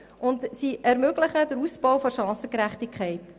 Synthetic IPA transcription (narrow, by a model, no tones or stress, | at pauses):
ʊntsiʔɛɾmøɡləχəd̥əɾusb̥ɔwfoʃɑ̃ːsəkɾæχtikχɛɪt